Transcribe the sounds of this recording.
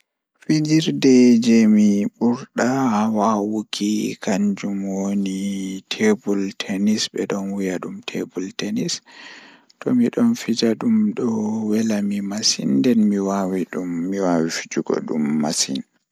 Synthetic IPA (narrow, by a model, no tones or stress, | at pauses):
fid͡ʒiɾdɛd͡ʒɛmiɓuɾɗahawawukʰikʰaɲd͡ʒumwonitʰebultʰenisɓɛɗɔnwijaɗumtʰebultenis | tɔmiɗɔnfid͡ʒaɗumɗɔwɛlamimasḭndɛnmiwawiɗumːiwawifid͡ʒuɡɔ̰ɗumːasḭn